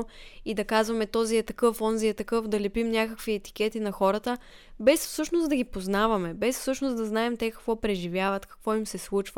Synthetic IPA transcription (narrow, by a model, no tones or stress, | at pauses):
id̪ɐkazvɐmɛt̪ɔziɛt̪ɐkɤfɔnziɛt̪ɐkɤfd̪ɐlɛpimnʲakəkviɛt̪i̥k̟ɛt̪inɐxɔɾət̪ə | bɛsfsɤʃnosd̪ɐɡʲipoznavɐmɛbɛsfsɤʃnosd̪ɐznaɛmt̪ɛkɐkvɔpɾɛʒivʲjavɐt̪kɐ̥kvɔimsɛslˠut͡ʃvə